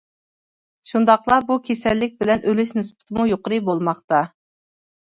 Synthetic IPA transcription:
ʃund̪ɑqlˠɑbukʲʰesɛlːɪk̚ʲbɪlɛnʔølyʃnɨspʰɪ̥t̪ʰɪmujoqəɾɨbolˠmɑχt̪ɑ

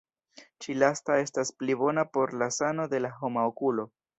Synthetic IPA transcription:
t͡ʃilastae̞stasplibo̞napo̞ɾlasano̞de̞laɦo̞maokulo̞

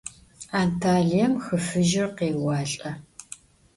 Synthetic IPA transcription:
aːntʰaːɮijɐmxəfɨʒɪrqeːwɑːɬʼɐ

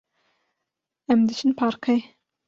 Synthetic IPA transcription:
ɛmd̪ɨt͡ʃʰɨnpʰɑːɾkʰɐj

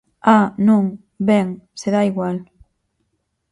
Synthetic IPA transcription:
anũŋ | bɛŋseðaiɣwal

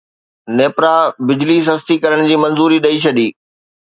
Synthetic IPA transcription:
neːpɾabɪd͡ʑliːs̬ɦɐst̪ikɐɾəɽ̃d͡ʑiːmɐ̃nzuːɾiɗɐit͡ɕʰɐɗiː

